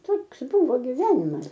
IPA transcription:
ˈtoːks ˈbuːʋoː ɡʲɪˈʋʲæːnʲɪmɐs

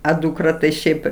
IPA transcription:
ɐ duːkˈrɐ tɐɪ ˈʃʲɛɪp

